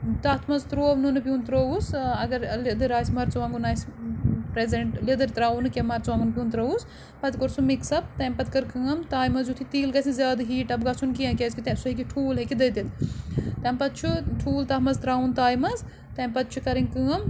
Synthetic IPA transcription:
t̪ɐt̪ʰmɐzt̪ɾoːʋnɨnɨpijuːnt̪ɾousɐɡɐɾlid̪ɨɾaːjsʲmɐɾt͡sʋaːŋɡunaːispɾezeɳʈled̪ɨɾt̪ɾaːunɨkʲemɐɾt͡sʋaːŋɡunpʲjũːnt̪ɾɐus | pɐt̪koɾsumiksɐb̚t̪ɐmʲpɐt̪̚kɐɾkɨːɐmt̪aːjmɐzjut̪ʰit̪iːlɡɐsʲinzʲjaːd̪ɦiːʈɐbɡɐt͡sʰunkijãːkʲezʲkit̪ɐsuɦekʲiʈʰuːlɦekid̪ɐd̪it̪ʰt̪ɐmpɐt̪̚t͡ʃʰuʈʰuːlt̪ɐt̪mɐzt̪ɾaːunt̪aːjmɐz | t̪ɐmʲpɐt̪̚t͡ʃʰukɐɾiŋʲkɨːɐm

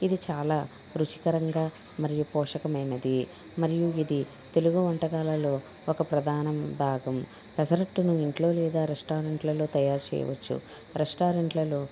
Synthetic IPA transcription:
id̪it͡ʃaːlaː | ɾut͡ʃi̥kɐɾɐŋɡaː | mɐɾijupɔːʂɐkɐmɐjnɐd̪i | mɐɾijuid̪i | t̪e̞luɡuʋɐɳʈɐɡaːlɐlo̞ː | ɔkɐpɾɐd̪ʱaːnɐmbʱaːɡɐm | pɐsɐɾɐʈːunuiɳʈlo̞ːlɛːd̪aːɾesʈaːɾeɳʈlɐloːt̪ɐjaːɾt͡ʃɛ̰jɐ̰ʋɐ̰t͡ʃːṵ | ɾesʈaːɾeɳʈlɐloː

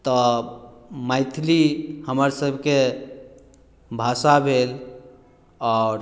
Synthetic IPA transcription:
t̪ɔ | maɪt̪ʰlihəməɾsəbʱke | bʱasabʱel | ɔɾ

